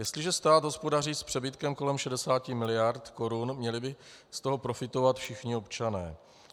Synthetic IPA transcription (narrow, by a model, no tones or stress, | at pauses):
jɛst̪lɪʒɛst̪aːt̪ɦo̞spodariːspr̥ɛbɪt̪kɛmko̞lɛmʃɛdɛsaːcɪmɪlɪjaɾt̪ko̞ɾunmɲɛlɪbɪ | st̪o̞ɦo̞pɾo̞fɪt̪o̞vat̪fʃɪxɲɪo̞pt͡ʃanɛ̰ː